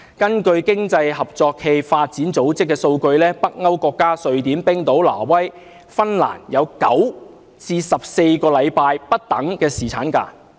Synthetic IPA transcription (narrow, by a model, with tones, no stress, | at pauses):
kɐ˥nkɵ˧ɥkɪ˥ŋt͡sɐ˧jhɐ˨p̚t͡sɔː˧kʰe˧jfaː˧t̚t͡siː˨˥nt͡so˨˥wt͡sɪ˥kːɛː˧so˧wkɵ˧ɥlɛː˥pɐ˥k̚ŋɐ˥wkɔː˧kːaː˥sɵ˨˧ɥt̪iː˨˥mpɪ˥ŋt̪o˨˥wla̰ː˨˩wɐ˥j | fɐ˥nla̰ː˨˩njɐ˨˧wkɐ̰˨˥w | t͡siː˧sɐ˨p̚se˧jkɔː˧lɐ˨˧jpaː˧jpɐ˥t̚t̪ɐ˨˥ŋkɛː˧siː˨t͡sʰaː˨˥nka̰ː˧